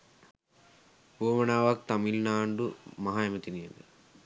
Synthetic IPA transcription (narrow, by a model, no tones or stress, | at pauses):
oːmɐnaːʋaːk̚t̪ɐmilnaːɳɖumɐɦaːjɐmɐt̪inijɐni